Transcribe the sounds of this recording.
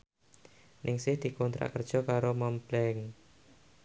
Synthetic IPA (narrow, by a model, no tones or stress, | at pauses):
nɪŋsɪhd̪̥i̤kɔnt̪ɾa̰ʔkərd̥ʒ̥ɔ̤kaɾomamblɛŋ